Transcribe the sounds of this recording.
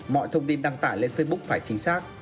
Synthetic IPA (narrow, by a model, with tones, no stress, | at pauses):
mɔ̰˧˨jt̪ʰə˧wŋ͡mt̪i˧nɗa˧ŋt̪aː˧˩jle˧nfəː˦˧ɓʊ˦˥k͡p̚faː˧˩jt͡ɕï˨˦ŋ̟saː˦˥k̚